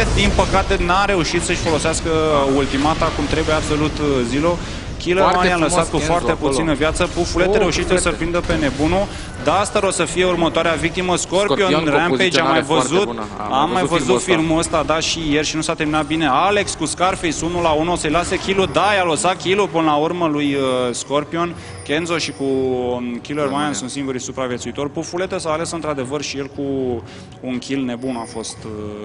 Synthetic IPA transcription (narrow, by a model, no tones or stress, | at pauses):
d̪inpəkat̪e̞naɾe̞uʃit̪səʃʲfo̞lo̞sɪaskəult̪imat̪akumt̪ɾe̞bujeab̥so̞lut̪zilo | kʲileɾmanjamləsat̪̚kufoarst̪e̞put̪sinəvjat̪səpufulet̪ɾe̞uʃit̪esəpɾind̪əpe̞ne̞bunu | d̪ast̪əɾosəfije̞urmət̪oaɾeavik̚t̪iməskorpjonɾamejd͡ʒamajvəzut̪amːajvəzut̪firmuəst̪ad̪aʃijerʃinusat̪eminat̪̚bine̞ale̞kskuskarfisunulaunosəjlasekʲilud̪ajalot̪sakʲilupɨnəlaurməlujəsko̞rpio̞n | kenzoʃiku | kʲilermajansunt̪siŋɡuɾisupɾavje̞t̪suit̪o̞rʲpufule̞t̪esawale̞sɨnt̪ɾad̪e̞vərʃije̞lkuː | nkʲʰilne̞bunafo̞st̪